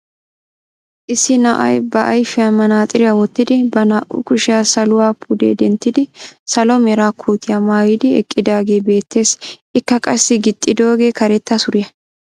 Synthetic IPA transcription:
ʔɪsːɪnɐʔɐ̰jbɐʔɐjfɪjɐmɐnaːt̪ʼɪɾɪjawɔt̪ːɪd̪ɪbɐnaːʔʊ̰kʊʃɪjaːsɐlʊwaːpʰud̪ḛːd̪ɛnt̪ːɪd̪ɪsɐlɔmɛɾaːkʰuːt̪ːɪjɐmaːjɪd̪ɪɛ̰kʼːɪd̪aːɡe̞ːbe̞ːt̪ːe̞ːsɪkːɐkʼɐsːɪɡɪt̪ʼːɪd̪o̞ːɡe̞ːkɐɾɛt̪ːɐsʊɾɪjɐ

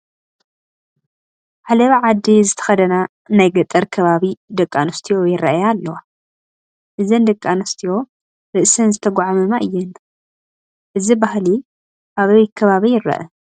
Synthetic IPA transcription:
ħalɐβiʕad̪ːizɨt̪ʰɐ̥xɐd̪ɐna | najɡɐt̪ʼːɐɾkʰɐβaβid̪ɐkʼːanɐst̪ʰijojɪɾːɐ̰ʔajalːɐwa | ʔɨzɐnd̪ɐkʼːanɐst̪ʰijo̞ | ɾɨʔsɐnzɨt̪ʰɐɡʷaʕamɨmaʔɨjːɛn | ʔɨzibahli | ʔaβɐjt̪kʰɐβaβijɪɾːɐ̰ʔɐ

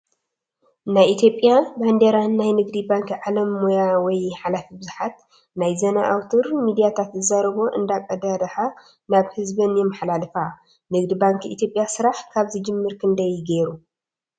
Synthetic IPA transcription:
najʔit̪ʰjo̞pʼːjaband̪eɾanːajnɨɡd̪ibaŋkʕalɐmːojawɔjħalafibɨzħat̪̚ | najzɐnaʔawt̪ʰɨɾmid̪ijat̪ʰat̪zɨzaɾɐβo̞ʔɨnd̪akʼɐd̪ad̪ɐħa | naβhɨzbɐnjɛmaħlalɨfa | nɨɡd̪ibaŋkḭt̪jo̞pʼjasɨɾaħkʰaβzɨd͡ʒɨmːɨɾkʰɨnd̪ɐjɡeɾu

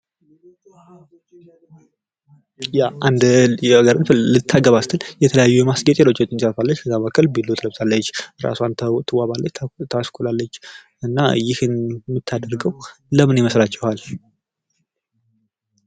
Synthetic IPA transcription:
jaʔand̪aɡəɾɨnfɨllɨt̪ʰːaɡəβast̪ʰɨnjɛt̪ʰələjajːujɛmasɡət̪ʼelo̞t͡ʃːot͡ʃːɨnsʼəɾfalːət͡ʃːkʰəzaməkʰːəlbilːot̪ʼələbt̪ʰalːət͡ʃːɾa̰suanʰt̪ʰəwaβalːət͡ʃːt̪ʰaskʰulalːət͡ʃː | ɨnːajɪhɨnmɨt̪ʰːad̪əɾɡəwləmɨniməslat͡ʃːɛhal

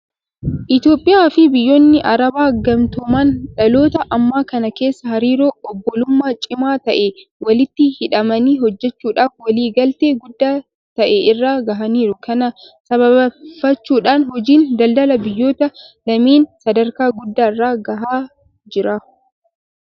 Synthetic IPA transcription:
ʔɪt̪jo̞ːpʼːɪjaːfɪbɪjːoːnːɪʔɐɾɐbaːɡɐmt̪ɔmaːnᶑɐlo̞ːt̪ɐʔɐmːaːkɐnɐke̞ːsːɐhɐɾiːɾoːɔbːɔlʊmːaːt͡ʃʼɪmaːt̪ɐʔewɐlɪt̪ːɪhɪᶑɐmɐniːhɔd͡ʒːɛt͡ʃːuːᶑaːfwɐliːɡɐlt̪eːɡʊd̪ːaː | t̪ɐʔeɪrːaːɡɐɦɐniːɾʊkʰɐnɐ | sɐβɐbɐfːɐt͡ʃːuːᶑaːnhɔd͡ʒiːnd̪ɐld̪ɐlɐbɪjːo̞ːt̪ɐlɐmiːnsɐd̪ɐɾkaːɡʊd̪ːaːɪrːaːɡɐɦaː | d͡ʒɪɾaː

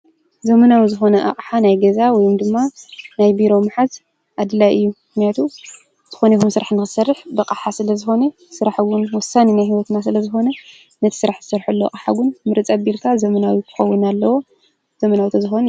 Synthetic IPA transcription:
zɐmɐnawizɨxo̞nɐʔa̰qʼħanajɡɐzawɔjumd̪ɨmːanajbiɾo̞maħat | ʔad̪ɨlaʔɨjːumɨknijat̪ʰu | z̥ɨxo̞nexumsɨɾaħnɨxɨsɐrːɨħbɐqʼaħasɨlɐzɨxo̞nɐ | sɨɾaħwʊnwɔsːaninajhiwɔt̪nas̬ɨlɐzɨxo̞nɐ | nɐt̪ʰi̥sɨɾaħz̥ɨsɐɾħulːoa̰qʼħa̰wʊnmɨɾɨt͡sʼɐbilkʰazɐmɐnawikʰɨ̥xɐwːʊnalːɐwo̞ | z̥ɐmɐnawit̪ʰozɨxon

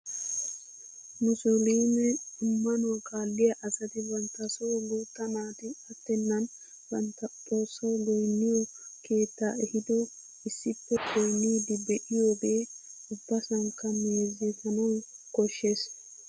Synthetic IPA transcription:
nʊsoliːnɛʊmːɐnɔwɐkʼaːlːɪjɐʔɐsɐt̪ɪbɐnt̪ːɐsɔwluːt̪ːɐnaːt̪ɪɐt̪ːɛnːɐn | bɐnt̪ːɐpʼoːsːɐwlɔjnːɪjɔ | kʰe̞ːt̪ːa̰ːɛhɪd̪ɔ | ɪsːɪpːɛkʰɔjnːid̪ɪbɛʔɪjoːɡe̞ːʊbːɐsɐŋkːɐmeːzɪtɐnɐwkɔʃːeːs

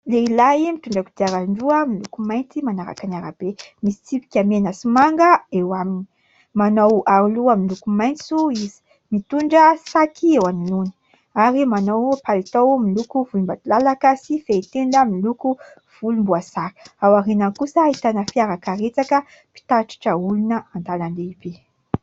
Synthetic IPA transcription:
leilaimit̪uɳɖ͡ʐakud̪iaɾaɳɖ͡ʐuəmilukumajnt͡simanaɾa̰kanaɾa̰b̥emisi̥t͡sipi̥kʲamenasimaŋɡəewamini̥ | manowʔaɾuluamilukumajnt͡suizi̥ | mit̪uɳɖ͡ʐəsakʰiewaniluni̥ | aɾimanowpalit̪owmilukuvulumbat̪ulalakəsifeit̪end̪əmiluku | v̥ulumbuasaɾawaɾenakusəɦit̪anəfiaɾakəɾet͡sakə | pi̥t̪aʈ͡ʂi̥ʈ͡ʂəulunəant̪ananleibi

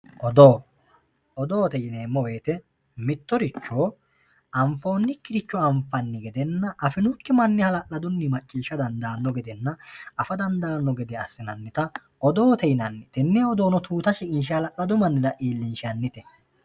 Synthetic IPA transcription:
ʔɔd̪oː | ɔd̪oːt̪ɛjɪneːmːɔwe̞ːt̪ɛmɪt̪ːɔɾɪt͡ʃːo̞ːʔɐmfo̞ːnːɪkːɪɾɪt͡ʃːɔɐɱfɐnːɪɡɛd̪ɛnːɐʔɐfɪnʊkːɪmɐnːɪhɐlɐʔlɐd̪ʊnːɪmɐt͡ʃʼːiːʃɐd̪ɐnd̪aːnːɔɡɛd̪ɛnːɐɐfɐd̪ɐnd̪aːnːɔɡɛd̪ɛɐsːɪnɐnːɪt̪ɐɔd̪oːt̪ɛjnɐnːɪt̪ɛnːɛɔd̪o̞ːnɔt̪uːt̪ɐʃɪkʼɪnʃ̬ɪhɐlɐʔlɐd̪ʊmɐnːɪɾɐʔiːlːɪnʃɪɐnːɪt̪ɛ

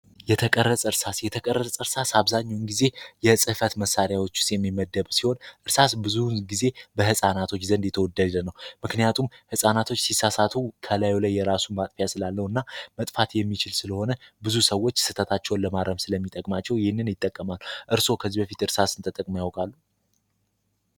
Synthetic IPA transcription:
jɛt̪ʰəkʼərːəsʼɨɾsasjɛt̪ʰəkʼərːəst͡sʼɨɾsasaβzaɲːawnɡize̞jɛsʼɨfət̪məsːaɾjawo̞t͡ʃːʊ̥st̪jɛmːiməd̪ːəβsiho̞nʔɨɾsasbɨzuɡize̞bəhɨsʼanat̪ʰo̞t͡ʃːzənd̪jɛt̪ʰəwɔd̪ːəd̪d̪ənːəwmɨknijat̪ʰumhɨsʼanat̪ʰo̞t͡ʃːsisːasat̪ʰukʰəlajlajːɛɾasumat̪ʼfəjasɨlalːəhɨnːamət̪ʼfat̪jɛmːit͡ʃɪlsɨləho̞nəbɨzusəwːo̞t͡ʃːsɨt̪ʰət̪ʰat͡ʃːɛwnləmaɾəmsɨləmːit̪ʼːəkʼmat͡ʃːɛwjɪhɪnːɨnjɪt̪ʼːəkʼːəmalːuʔɨɾso̞kʰəzːibəfit̪ɨɾsasɨnt̪ʼət̪ʼəkʼmjawkʼalːu

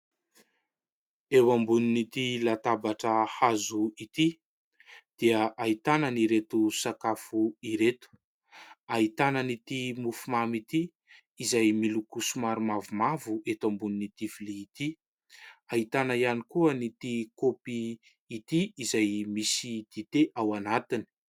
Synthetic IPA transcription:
ewambuninit̪ilat̪abaʈ͡ʂəhazuit̪i | d̪̥iaʔait̪anəniɾet̪usakafuiɾet̪u̥ | ait̪anənit̪imufumamit̪iː | zajmilukusumaɾumavumavuʔet̪ambuninit̪ifiliːt̪i | aɦit̪anaianikuənit̪ikopiː | t̪iːzajmisid̪̥it̪eʔawanat̪ini̥

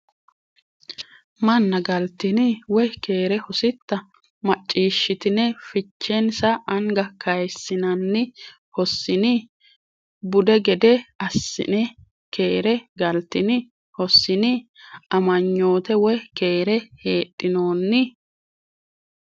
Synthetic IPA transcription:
mɐnːɐɡɐlt̪ɪnɪwɔjkeːɾɛhɔsɪt̪ːɐ | mɐt͡ʃʼːiːʃːɪt̪ɪnɛfɪt͡ʃːɛnsɐʔɐŋɡɐkʰɐjsːɪnɐnːɪ | hɔsːɪnɪ | bʊd̪ɛɡɛd̪ɛɐsːɪ̰nɛ | kʰe̞ːɾɛɡɐlt̪ːɪnɪ | hɔsːɪnɪɐmɐɲːo̞ːt̪ɛwɔjke̞ːɾɛheːt̪ʼːɪno̞ːnːɪ

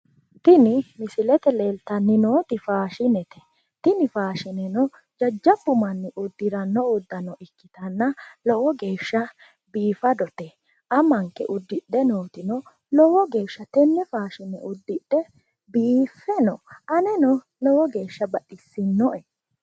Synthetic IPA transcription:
t̪ɪnɪmɪsɪlɛt̪ɛleːlt̪ɐnːɪno̞ːt̪ɪfaːʃɪnɛt̪ɛ̥ | t̪ɪnɪfaːʃɪnɛnɔ | d͡ʒɐd͡ʒːɐbːʊmɐnːɪʔʊd̪ːɪɾɐnːɔʊd̪ːɐnɔʔɪkːɪt̪ɐnːɐlɔwɔɡe̞ːʃːɐ | biːfɐd̪ɔt̪ɛ | ʔɐmɐŋkːɛ̰ʔʊd̪ːɪɗːɛnoːt̪ɪnɔ | lɔwɔɡe̞ːʃːɐt̪ɛnːɛfaːʃɪnɛ̰ʔʊd̪ːɪɗːɛ | biːfːɛnɔʔɐnɛnɔ | lɔwɔɡe̞ːʃːɐbɐɗɪsːɪnːɔʔɛ

